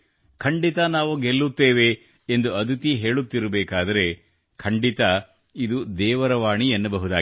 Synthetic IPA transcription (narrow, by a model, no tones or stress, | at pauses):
kʰɐɳɖit̪ɐnaːʋuɡeɭːut̪ːeːʋe̞ | end̪uɐd̪ut̪iɦe̞ːɭut̪ːiɾɐbɛːkaːd̪ɐɾe̞ | kʰɐɳɖit̪ɐ | id̪ud̪ɛːʋɐɾɐʋaːɳienːɐbɐɦud̪aː